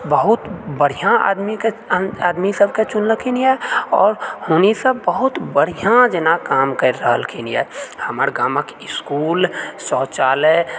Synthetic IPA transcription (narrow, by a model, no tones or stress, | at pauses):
bəɦʊt̪bəɽ̤ijã̰d̪mikeaːd̪misəb̚ket͡ʃʊnləkʰiniɦɛɔ̰ːɾhoːnisəbbəɦʊt̪bəɽ̤ijãd͡ʒənakaːmkəɾːəɦəlkʰiniɛ̰həməɾɡaːməkɪskuːlsɔːt͡ʃaːle